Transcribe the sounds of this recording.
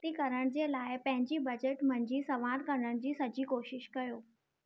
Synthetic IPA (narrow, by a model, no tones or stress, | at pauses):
t̪ikɐɾəɽ̃d͡ʑelaːɪpɐ̃ɦɪ̃ɲd͡ʑibɐd͡ʑeʈmɐ̃ɲd͡ʑisɐʋaɾkɐɾəɽ̃d͡ʑiːsɐd͡ʑiːkoːʃɪʃkɐjoː